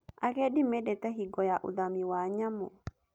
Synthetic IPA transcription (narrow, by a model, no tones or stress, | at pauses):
ʔakɛɗimɛdɛtaɦiɡɔjaʔṵdamiwaɲamɔ